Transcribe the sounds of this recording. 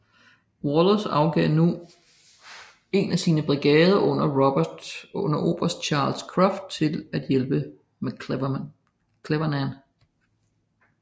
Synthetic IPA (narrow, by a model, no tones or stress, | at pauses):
wɒlsɑ̈ʊɡ̥ɛnu | e̝næsiːnəb̥ʁiɡ̥ɛːð̞ˠɐʔɔ̽n̰ɐʁ | ɔn̰ɐʔo̝̰ːb̥ɐsd̥ɕʰɑ̈ːlskʰʁɑfd̥̚t͡sʰe̝læd̥jelb̥ə | m | kʰleʋɐnæn